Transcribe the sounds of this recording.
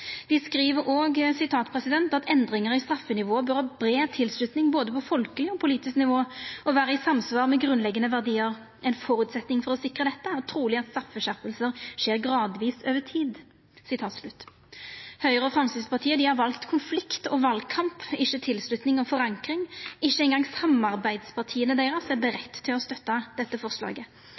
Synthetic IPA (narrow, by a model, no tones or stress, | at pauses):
d̪̥ɪskɾiːʋəɾoːɡsɪt̪ʰɑːt̪pʰʁɛsɪd̪ɛnt̪ɑt̪ʰɛnd̪ɾɪŋəʁɪst̪ɾɑfːənɪʋoːbœɾhɑːbɾeːt̪ʰɪlslʉt̪nɪŋboːd̪əpɔfɔlkəlɪɔpʰʊliːt̪ɪsknɪʋoːɔʋæːʁəɪsɑmsʋɑːʁmɛɡʁʉnlɛɡːənəʋæʁd̪iːəʁ | ʔɛɪnfɔɾʉːt̪sɛt̪nɪŋfɔɾɔsɪkʁəd̪ɛt̪ːəæʁt̪ʰɾuːlɪɑt̪st̪ɾɑfːəɕœpːəlsəʁʃeːʁɡʁɑːd̪ʋiːsøːʋət̪ʰiːd̪ | sɪt̪ʰɑːt̪slʉt̪ː | hœʏʁəɔfɾɑmsiːd̪spɑʁt̪ʰiːəd̪ɪhɑʁʋɑlkt̪kʰʊnflɪkt̪ɔʋɑlɡkʰɑmpɪçːət̪ʰɪlslʉt̪nɪŋɔfɔʁɑŋkɾɪŋɪʃːəɛɪnɡɑŋsɑmːɑʁbæɪd̪spʰɑʁt̪ʰiːənəd̪eɪʁɑsɛbəɾɛt̪ːt̪ʰːɪlɔst̪œt̪ːɑd̪̥ɛt̪ːəfɔʁslɑ̰ːɡə